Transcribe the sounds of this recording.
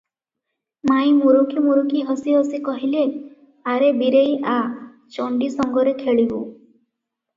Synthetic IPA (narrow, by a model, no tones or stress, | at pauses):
maj̃muɾukʰimuɾukʰiɦɔsiɦɔsikɔɦile | aɾebiɾejʔa | t͡ʃɔɳɖisɔŋɡɔɾekʰeɭibṵ